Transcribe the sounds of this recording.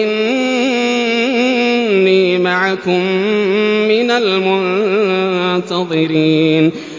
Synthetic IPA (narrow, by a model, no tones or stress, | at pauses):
ɪn | iːmaʕakʊmː | ɪnalmʊn | t̪ɑðˤɨɾiːn